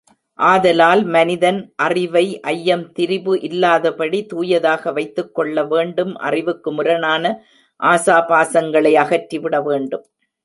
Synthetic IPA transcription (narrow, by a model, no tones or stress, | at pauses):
ʔaːðɐlaːlmɐnɪðɐnʔɐrɪʋɐɪʔɐjːɐmt̪ɪɾɪbɯʔɪlːaːðɐpɐɽit̪uːjɐðaːɣɐʋɐɪt̪ːɯkːɔɭːɐʋeːɳɖɯmʔɐ̰rɪʋɯkːɯmʊɾɐnaːnɐ | ʔaːsaːpaːsɐŋɡɐɭɐɪɐɣɐʈriʋɪɽɐʋeːɳɖɯm